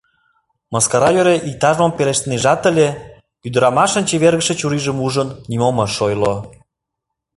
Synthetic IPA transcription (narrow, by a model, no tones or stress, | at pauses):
mɑskɑɾɑjøɾeʔik̚t̪ɑʒmompeleʃt̪eneʒɑt̪əlʲe | yd̪ə̆ɾɑmɑʃə̆nt͡ɕeβerɣə̆ʃĕt͡ɕuɾiʒə̆muʒənnimomɤ̆ʃojlo